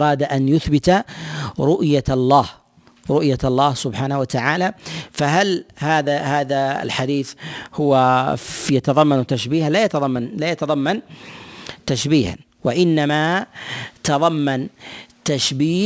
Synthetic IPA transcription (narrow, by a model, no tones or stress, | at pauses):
ɾˤɑːd̪aʔanjʊθbɪt̪ | ɾʊʔjalˤːɑːh | ɾʊʔjaɑlˤːɑːhsʊbħaːnawat̪aʕaːlafaɦalhaːðahaːðaɪ̰lħad̪iːθhʊwafjat̪ɑðˤɑmːant̪aʃbiːhalajat̪ðˤɑmːanlaːjat̪ɑðˤɑmːan | t̪aʃbiːha̰n | waʔɪnːama | t̪ɑðˤɑmːant̪aʃbiː